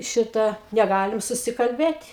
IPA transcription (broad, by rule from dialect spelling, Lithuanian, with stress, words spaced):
ˈʃʲɪtɐ nʲɛˈɡɑːlʲɪm sʊsʲɪkɐlʲˈbʲeːtʲ